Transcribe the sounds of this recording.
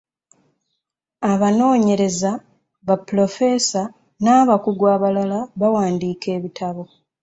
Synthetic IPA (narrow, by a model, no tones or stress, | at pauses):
aβano̞ːɲe̞ɾe̞za | βapːulo̞fe̞sa | naːβakuɡwaːβalalaβawaːndiːke̞ːβitʰaβo